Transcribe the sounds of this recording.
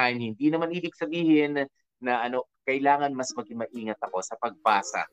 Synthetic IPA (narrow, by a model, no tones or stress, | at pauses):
anhɪnd̪inɐmanʔiːbɪɡ̚sɐbiːhɪnː | ɐʔɐno̞kɐʔɪlaːŋɐnmɐsmɐɡɪmɐʔiːŋɐt̪̚ɐko̞sɐpɐɡ̚paːsɐ̰